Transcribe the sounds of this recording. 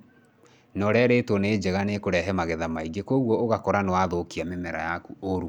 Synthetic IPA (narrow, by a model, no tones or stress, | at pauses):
nɔɾɛɾetwɔneːd͡ʑɛɣanekoɾɛɦɛmaɣɛðamaiɡekoɣwɔoɣakɔɾanewaðokiamemɛɾajakuoɾu